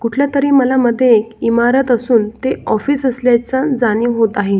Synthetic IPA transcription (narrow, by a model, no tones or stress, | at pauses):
kuʈʰljat̪əɾiːməlaməd̪ʱːjeekimaɾət̪əsuːnt̪eɔfiːsəsljajt͡sad͡zaniːʋɦot̪aɦe